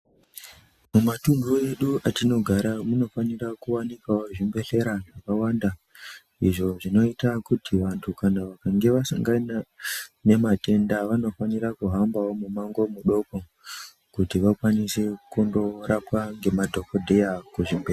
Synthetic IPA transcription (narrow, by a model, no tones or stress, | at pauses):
mumatunɡoe̞ɗuʔatino̞ɡʱaɾamuno̞fanirakuwanikawoʐimbe̞ɬe̞ɾanakawanda | iʐo̞ʐino̞itakutʰiʋantʰukanaʋakaŋɡe̞ʋasaŋɡanane̞mate̞ndaʋano̞fanirakuɦambawo̞mumaŋɡo̞muɗo̞ko | kutiʋakwanise̞kundo̞rapwaŋɡe̞madʱo̞ko̞dʱe̞jakuʐimbera